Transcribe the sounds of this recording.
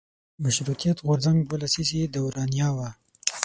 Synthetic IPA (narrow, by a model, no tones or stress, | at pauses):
maʃɾut̪ijat̪ɣʊɾzaŋɡbəlasised̪awɾɑnjɑwa